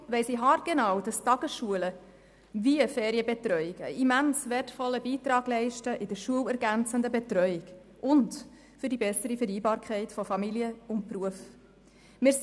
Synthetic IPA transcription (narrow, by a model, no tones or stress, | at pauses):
ʋɛɪsiɦɑɾtɡ̥enɑwd̥ɑstɑɡ̥əsʃuələ | viəfɛːɾiəbɛtɾœʏɪɡə̰ʔimænsvɛtfɔlːəbiːtɾɑːɡ̥lɛɪʃtəʔɪd̥əɾʃuəwæɾɡænt͡səndəbɛtɾœʏɪɡ | ʊnd | fʏɾdibɛsəɾifəɾiːbɑːɾkʰɛɪtfɔfɑmiljəʊnt̚pruəf | mɪːs